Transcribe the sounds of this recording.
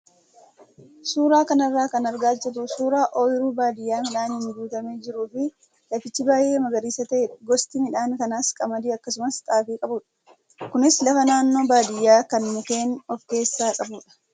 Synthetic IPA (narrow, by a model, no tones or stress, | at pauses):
suːɾaːkɐnɐrːaːkɐnɐɾɡaːt͡ʃːɛt̪usuːɾaːʔoːjɪɾuːbaːd̪ɪjːaːmɪᶑaːnhɪnɡuːt̪ɐme̞ːd͡ʒɪɾuːfɪ | lɐfɪt͡ʃːɪbaːjʔe̞ːmɐɡɐɾiːsɐt̪ɐʔeːᶑɡɔst̪ɪmɪᶑaːŋkɐnaːskʼɐmɐd̪iːɐkːɐs̬ʊmɐst̪ʼaːfiːkʼɐbuːᶑɐ̥ | kʊnɪslɐfɐnaːnːo̞ːbaːd̪ɪjːaːkɐnmʊke̞ːnɔfke̞ːsːaːkʼɐbuːᶑɐ̥